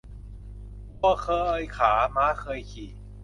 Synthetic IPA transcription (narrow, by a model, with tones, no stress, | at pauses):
u˧ɐkʰɤː˧ʔɤː˧jkʰaː˩˦maː˦˥kʰɤː˧jkʰiː˨˩